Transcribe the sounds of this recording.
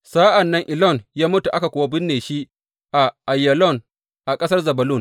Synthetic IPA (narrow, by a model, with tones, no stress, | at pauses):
saː˦ʔɐ˨nːɐ˦ŋʔɪ˨lɔ˦˨njaː˦mʊ˦tu˨ʔa˦ka˨kʷʊː˨wa˦bɪ˦nːeː˨ʃi˦ʔ | ʔa˨ʔa˨jːɐ˨lɔ˦˨n | ʔa˨kʼɐ˦sɐ˦rzɐ˨bɐ˨lʊ˦˨n